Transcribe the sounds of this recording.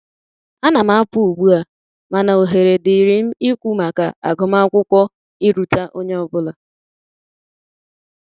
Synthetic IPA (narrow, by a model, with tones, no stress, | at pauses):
a˦na˨ma˦pʊ˦u˨ɡ͡bu˦a˨ | ma˨na˨o˨ɦe˨ɾe˨dɪ˨ɾi˨m̩˦i˦kʷu˦ma˨ka̰˨a̰˨ɡɔ˨m˦a˦kʷʊ˦kʷɔ˦ | i˦ɾu˨ta˦ʔo˦ɲe˦ɔ˨bʊ˦la˨